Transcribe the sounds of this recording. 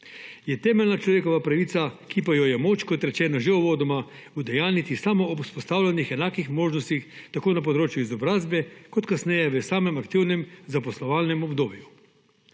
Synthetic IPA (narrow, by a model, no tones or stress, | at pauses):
jɛt̪ɛːmɛlnat͡ʃlɔʋeːkɔʋapɾɐʋiːt̪sakipajɔjɛmoːt͡ʃkɔt̪ɾɛt͡ʃɛːnaʒeɔʋoːd̪ɔma | ud̪ɛjaːlnit̪isamɔːuspɔst̪aːwlanixɛnaːkixmoːʒnɔst̪ixt̪akoːnap̬ɔd̪ɾoːt͡ʃjuizɔbɾaːzbɛkɔt̪kasnɛjɛʋəsaːmɛmakt̪iwnɛmzapɔslɔʋaːlnɛmɔbd̪oːbju